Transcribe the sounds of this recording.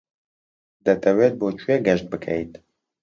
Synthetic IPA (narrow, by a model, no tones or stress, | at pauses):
d̪ɐt̪ʰɐweːt̪̚boːt͡ʃʰujɛɡɐʃt̪̚bɨkʰɛ̰jt̪